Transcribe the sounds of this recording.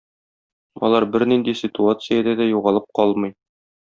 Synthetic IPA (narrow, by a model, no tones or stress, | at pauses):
ɒ̰lˠɑɾbɘɾnind̪isʲɪt̪uat̪sɨjad̪æd̪æjuʁɑlˠɤp̚qɒlˠmɤ̆j